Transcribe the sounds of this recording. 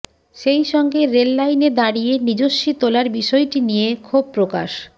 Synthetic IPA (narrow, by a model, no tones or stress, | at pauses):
ʃejʃɔŋɡeɾelːajned̪aɽijenid͡ʑoʃːit̪olaɾbiʃɔjʈinijekʰob̚pɾoka̰ʃ